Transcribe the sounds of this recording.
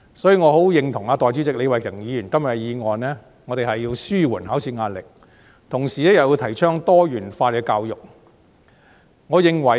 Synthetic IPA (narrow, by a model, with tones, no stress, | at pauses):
sɔ˨˥jyː˧ŋɔː˨˧ɦo˨˥wjɪ˨ŋt̪ʰʊ˨˩ŋaː˧t̪ɔː˨jt͡ɕy˨˥t͡sɪ˨k̚le˨˧wɐ˨jɪ˨˩ŋjiː˨˧jyː˨˩nkɐ˥mjɐ˨˩˧jiː˨˧ŋɔː˨nnɛː˥ | ŋɔː˨˧t̪e˨˩hɐ˨jːiː˧wsyː˥wuː˨˩nhaː˨˥wsiː˧ŋaː˧t̚lɪ̰˨k̚ | t̪ʰʊ˨˩ŋsiː˨lɛː˥jɐ˨wji˧wt̪ʰɐ˨˩jt͡ʃʰœː˥ŋt̪ɔː˥jyː˨˩nfaː˧t̚kɛː˧kaː˧wjʊ˨k̚ | ŋɔː˨˧jɪ˨˩ŋwɐ˨˩